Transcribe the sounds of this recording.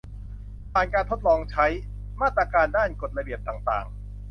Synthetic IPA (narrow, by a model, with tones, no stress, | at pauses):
pʰaː˨˩nkaː˧nt̪ʰo˦˥t̪̚lɔː˧ŋt͡ɕʰa˦˥j | maː˥˩t̪ːɾaː˧kaː˧ndaː˥˩nko˨˩t̪̚ɾa˧bi˨˩əp̚t̪aː˨˩ŋt̪a̰ː˨˩ŋ